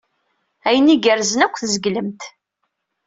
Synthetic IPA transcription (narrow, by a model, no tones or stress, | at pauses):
æjəniɡəɾzənækʷːθzəɡləmt̪